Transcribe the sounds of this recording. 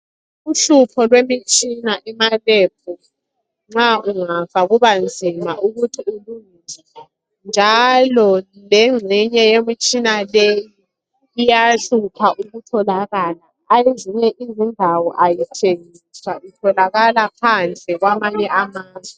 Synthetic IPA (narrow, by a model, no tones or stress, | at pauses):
uɬupʰɔlwemit͡ʃʼinaʔɛmalep̚ʰu | ŋ͡ǁauŋafaɣuβand͡zʱimaʔuɣutʰiuluŋizɛ | nd͡ʒʱalɔ | lɛŋ͡ǀʱiɲɛjemit͡ʃʼinalejiː | jaɬupʰaʔuɣutʰɔlaɣalaːjeziɲɛʔizindʱawɔʔajitʰeŋiswaitʰɔlaɣalapʰand͡ɮʱʼɛɣwamaɲɛamaːzwɛ